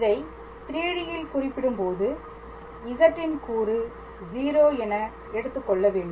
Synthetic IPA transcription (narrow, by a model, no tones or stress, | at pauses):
ɪðɐɪ | t̪ɪɾiːɽɪjɪlkʊrɪpːɪɽɯmpoːðɯ | ɪɣɐʈrɪnkuːrɯ | d͡ʒiːɾoːɛnɐ | ɛɽɯt̪ːɯkːɔɭːɐʋeːɳɖɯm